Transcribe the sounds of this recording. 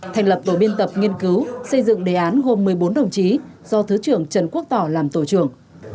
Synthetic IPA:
t̪ʰa˨˩jŋ̟lə˨˩p̚t̪o˧˩ɓi˧ənt̪ə˨˩p̚ŋi˧ənkɨ˨˦wsə˧jzɨ̰˧˨ŋɗe˨˩ʔaː˨˦nɦo˧mːɨ˨˩əjɓo˨˦nɗə˨˩wŋ͡mt͡ɕi˨˦z̥ɔ˧t̪ʰɨ˨˦t͡ɕɨ˧˩əŋt͡ɕə˨˧˩nku˦˥ək̚t̪ɔ˧˩laː˨˩mt̪o˧˩t͡ɕɨ˧˩əŋ

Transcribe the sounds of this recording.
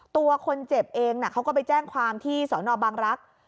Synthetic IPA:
t̪u˧ɐkʰo˧nt͡ɕe˨˩p̚ʔeː˧ŋna˨˩kʰa˦˥wkɔː˥˩pa˧jt͡ɕɛː˥˩ŋkʰwaː˧mt̪ʰiː˥˩sɔː˩˦nɔː˧baː˧ŋɾa˦˥k̚

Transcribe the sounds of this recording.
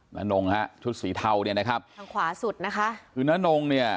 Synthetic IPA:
na̰˦˥no˧ŋha˦˥ʔt͡ɕʰu˦˥t̪̚siː˩˦t̪ʰa˧wni˦˥˩na˦˥kʰa˦˥p̚a˧ŋkʰwaː˩˦su˨˩t̪̚na˦˥kʰa˦˥kʰɯː˧naː˦˥no˧ŋni˥˩ɐ

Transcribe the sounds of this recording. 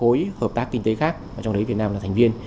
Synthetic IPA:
o˨˦jhəː˨˩p̚t̪aː˦˥kːi˧ŋ̟t̪e˨˦xaː˦˥k̚vaː˨˩t͡ɕɔ˧wɗə˨˦jvi˨˩ət̚naː˧laː˨˩t̪ʰŋ̟vi˧ən

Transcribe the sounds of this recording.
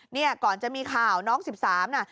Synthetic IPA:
ni˥˩ɐkɔː˨˩nt͡ɕa˨˩ʔmiː˧kʰaː˨˩wnɔː˦˥ŋsi˨˩p̚saː˩˦mʔa˧˥˩

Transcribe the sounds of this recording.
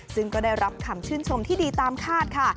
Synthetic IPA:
sɯ˥˩ŋkɔː˥˩daː˥˩jɾa˦˥p̚kʰa˧mt͡ɕʰɯː˥˩nt͡ɕʰo˧mt̪ʰiː˥˩diː˧t̪aː˧mkʰaː˥˩t̪̚kʰa˥˩

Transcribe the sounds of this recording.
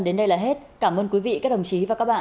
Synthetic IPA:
ɗe˨˦nɗə˧jlaː˨˩ɦe˦˥t̚kaː˧˩mʔəː˧nkwi˨˦vḭ˧˨kaː˦˥k̚ɗə˨˩ŋ͡mt͡ɕi˨˦vaː˨˩kaː˦˥k̚ɓa̰ː˧˨

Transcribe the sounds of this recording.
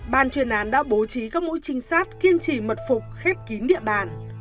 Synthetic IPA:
ɓaː˨˩nt͡ɕwi˨˩ənʔaː˨˦nɗa̰ː˧˥ɓo˨˦t͡ɕi˨˦kaː˦˥k̚mo̰˧˥jt͡ɕï˧˩ŋ̟saː˦˥t̚ki˧ənt͡ɕi˧˩mə˨˩t̚fʊ˨˩k͡p̚xɛ˦˥p̚ki˨˦ɗḭ˧˨əɓa̰ː˧˩n

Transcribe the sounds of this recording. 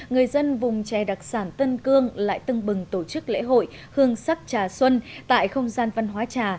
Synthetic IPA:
ŋɨ˨˩əjzə˧nvʊ˨˩ŋ͡mt͡ɕɛ˨˩ɗa˨˩k̚saː˧˩nt̪ə˧nkɨ˧əŋla̰ː˧˨jt̪ɨ˧ŋɓɨ˨˩ŋt̪o˧˩t͡ɕɨ˦˥k̚lḛ˧˥ɦo̰˧˨j | hɨ˧əŋsa˦˥k̚t͡ɕaː˨˩swə˧nt̪a̰ː˧˨jxə˧wŋ͡mzaː˧nva˧nɦwaː˨˦t͡ɕaː˨˩

